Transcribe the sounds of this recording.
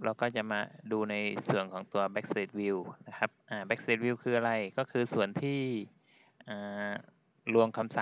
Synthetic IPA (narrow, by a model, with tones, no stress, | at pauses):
ɾa˧wkɔː˥˩t͡ɕa˨˩ʔmaː˧duː˧na˧jsu˨˩ənkʰɔː˩˦ŋt̪u˧ɐbɛ˦˥k̚seː˨˦˩t̪̚wi˧wna˦˥kʰa˦˥p̚ʔaː˨˩bɛ˦˥k̚seː˨˦˥t̪̚wi˧wkʰɯː˧ʔa˧ɾa˧jkɔː˥˩kʰɯː˧su˨˩ənt̪ʰiː˥˩ | ʔaː˨˩ | lu˧əŋkʰa˧msa˨˩˦